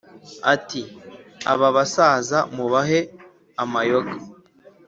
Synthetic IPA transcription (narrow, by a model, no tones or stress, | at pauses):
atia̰βaβasaːzamuβaɦe | amajoɡa